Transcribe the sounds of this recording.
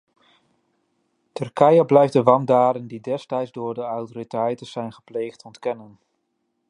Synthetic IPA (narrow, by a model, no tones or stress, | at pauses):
tɵɹkɛjəblɛjfdəʋɑmdaːdəndidɛstɛjtzdʊːɹdəɑwtoːritɛjtənz̥ɛjnχə̥plejχtɔntkɛnən